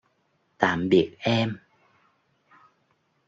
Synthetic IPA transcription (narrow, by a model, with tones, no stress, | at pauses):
t̪a̰ː˧˩mɓi˨˩ək̚ʔɛ˧m